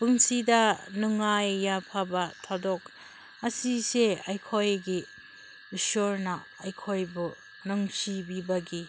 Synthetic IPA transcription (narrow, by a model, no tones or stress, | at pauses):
b̥ɯŋsidɐnuŋajːapʰabɐtʰadɔk̚ | ɐsiseajkʰojɡi | usoɾnɐː | jkʰojbu | nɔŋsibibɐɡi